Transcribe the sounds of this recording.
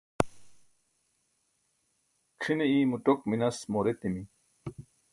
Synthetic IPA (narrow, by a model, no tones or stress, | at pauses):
kʰineiːmuʈokminɐsmoːɾet̪imi